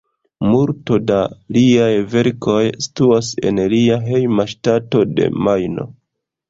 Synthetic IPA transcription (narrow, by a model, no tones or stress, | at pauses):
muɾto̞daliajve̞ɾko̞jsi̥tuase̞̰nliaɦe̞jmaʃtato̞de̞̰majno̞̰